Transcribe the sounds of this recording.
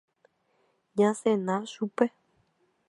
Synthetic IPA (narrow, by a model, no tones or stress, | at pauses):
ɲãsẽnãʃupe